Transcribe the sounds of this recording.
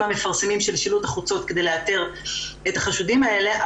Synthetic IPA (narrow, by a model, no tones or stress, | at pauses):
ame̞faʁsemimʃe̞lʃilut̪aχut͡so̞t̪kede̞jleat̪e̞ʁet̪aχaʃudimae̞le̞a